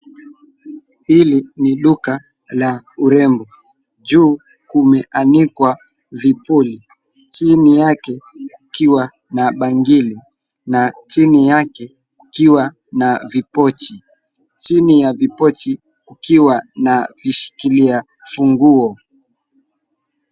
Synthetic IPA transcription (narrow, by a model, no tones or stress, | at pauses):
hiliniɗuka | lauɾɛmbɔ | d͡ʒuː | kumɛʔanikwa | vipuli | t͡ʃinijakɛkkukiwa | naɓaŋɡili | nat͡ʃinijakɛ | kukiwa | navipɔt͡ʃi | t͡ʃinijavipɔt͡ʃi | kukiwanaviʃi̥kilia | fuŋɡuɔ